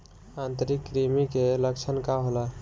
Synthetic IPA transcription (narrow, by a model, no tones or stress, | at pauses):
ant̪əɾikːɾimikeləkt͡ʃʰənkaɦola